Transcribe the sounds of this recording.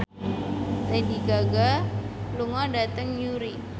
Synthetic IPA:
tediɡaɡaluŋɔdat̪əŋjuɾi

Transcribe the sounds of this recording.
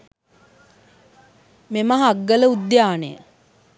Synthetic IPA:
meməɦaɡːələud̪jaːnḛjə̰

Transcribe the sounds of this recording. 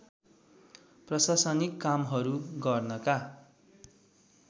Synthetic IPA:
prʌsasʌnikːamɦʌɾuɡʌrnʌka

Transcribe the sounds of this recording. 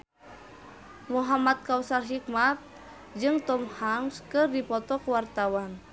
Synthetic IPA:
muɦamat̪̚kausarɦik̚mat̪̚ | d͡ʒɨŋt̪ɔmhaŋskɨrdipɔt̪ɔkwart̪awan

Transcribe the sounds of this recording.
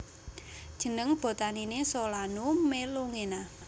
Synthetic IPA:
d̥ʒ̥ə̤nəŋb̥o̤t̪aninesɔlanumeloŋena

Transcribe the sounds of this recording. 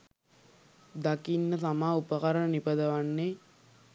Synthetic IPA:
d̪akinːəs̬amaːupəkaɾənənipəd̪əʋanːe

